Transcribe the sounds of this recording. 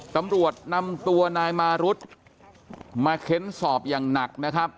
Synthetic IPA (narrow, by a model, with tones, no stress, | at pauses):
t̪a˧mɾu˨˩ət̪̚na˧mt̪u˧ɐnaː˧jmaː˧ɾu˦˥t̪̚ | maː˧kʰe˦˥nsɔː˨˩p̚jaː˨˩ŋna˨˩k̚na˦˥kʰɾa˦˥p̚